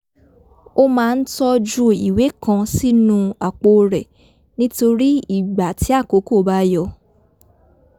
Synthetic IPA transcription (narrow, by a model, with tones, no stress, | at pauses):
o˦mãː˧˦˧n̩˦tɔ˧d͡ʒu˦i˨we˨˦kã˧si˦nũ˦a˨k͡po˧ɾɛ˨ | nĩ˦to˧ɾi˦i˦˨ɡ͡ba˨ti˨˦a˦˨ko˨˦ko˦˨˧ba˦jɔ˧